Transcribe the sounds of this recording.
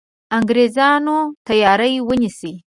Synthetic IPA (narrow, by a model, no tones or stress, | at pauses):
aŋɡɾezɑnot̪ajɑɾəjwənisi